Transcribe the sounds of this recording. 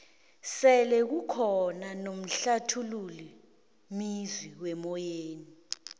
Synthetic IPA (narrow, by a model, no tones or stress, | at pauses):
sɛlɛk̬ukʰɔnanom̩ɬatʰululi | mizwiwɛmɔjeːni